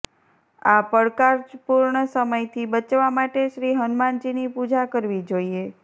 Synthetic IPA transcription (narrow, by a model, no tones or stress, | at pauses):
apəɽkaɾd͡ʒpuɾɳəsəməjt̪ʰibət͡ʃʋamaʈeʃɾiɦənmand͡ʒinipud͡ʒakəɾʋid͡ʒoie